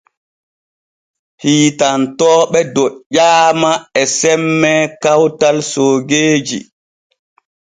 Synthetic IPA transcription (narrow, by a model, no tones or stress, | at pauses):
hiːtantɔːɓɛdɔʄaːmaɛsɛmːɛkawtalsoːɡeːd͡ʒḭ